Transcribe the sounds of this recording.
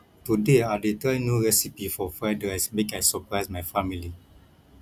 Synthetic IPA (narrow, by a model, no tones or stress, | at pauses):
tudeadetɹɛnjuɹɛsipifɔfɛdɹɛsmekajsəpɹaɪsmajfamili